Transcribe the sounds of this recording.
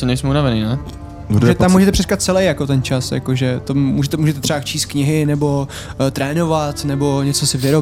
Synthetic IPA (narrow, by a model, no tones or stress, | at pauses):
onɛjsmɛunavɛninɛ | uʒɛt̪amːuːʒɛt̪̬ɛpr̥ɛskat̪̚t͡sɛlɛjakot̪ɛnt͡ʃasja̰koʒɛt̪omuːʒɛt̪ɛmuːʒɛt̪ɛt̪r̝ɛbat͡ʃiːst̪̚kɲɪɦɪnɛbo̞ | t̪ɾɛːno̞vat̪nɛbo̞ɲɛt͡sosɪvɪɾo